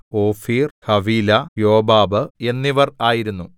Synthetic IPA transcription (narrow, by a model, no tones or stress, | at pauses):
oːfiːrhɐʋiːlɐjoːbaːbɨe̞nːiʋɐraːjiɾunːu